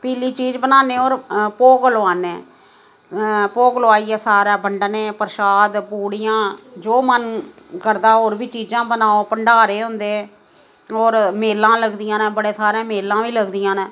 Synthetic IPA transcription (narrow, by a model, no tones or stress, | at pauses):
piːliːt͡ʃiːd͡ʒbənaːneːoːɾpoːkloaːneː | poːkloaːiːɛːsaːɾaːbəɳɖnẽːpəɾʃaːd̪puːɽɪjãːd͡ʒoːmən | kəɾd̪aːoːɾbiːt͡ʃiːd͡ʒãːbənaːoːpəɳɖaːɾeːɦʊ̃nd̪eː | oːɾmeːlãːləɡd̪ɪjãːnːbəɽeːsaːɾãːmeːlːãːʋiːləɡd̪ɪjãːnẽː